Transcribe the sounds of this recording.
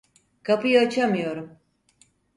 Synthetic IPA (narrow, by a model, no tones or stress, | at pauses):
kʰapʰɯjaat͡ʃʰamɯjo̞ɾum